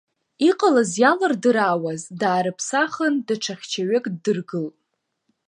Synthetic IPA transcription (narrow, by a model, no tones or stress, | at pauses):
iqʼalazjalɨrdɨɾaːwazdaːɾɨpʰsaχəndaʈ͡ʂʰaχʲt͡ʃʰaɥekʼddɨrɡɨlʼ